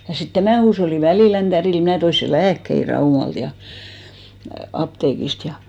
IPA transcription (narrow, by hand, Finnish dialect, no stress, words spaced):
jɑ sit tæmæn̞ huːsholːi ʋæliˑlæn tædil mnæˑ toi se læːkːei rɑumɑlt jɑ ɑpteːkist jɑ